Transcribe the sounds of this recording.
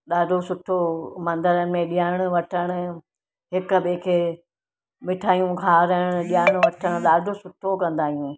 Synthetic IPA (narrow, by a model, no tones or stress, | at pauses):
ɗaːɖʱosʊʈʰomɐ̃nd̪əɾənɪ̆mẽɗijaːɪɽ̃ʊ̆ʋɐʈʰəɽ̃ʊ̆ | ɦɪkɓekʰeː | mɪʈʰaːjũkʰaːɾɐɪɽ̃ʊ̆ɗijaːɪɽ̃ʊ̆ʋɐʈʰəɽ̃ʊɗaːɖʱosʊʈʰokɐ̃nd̪aːɦijũː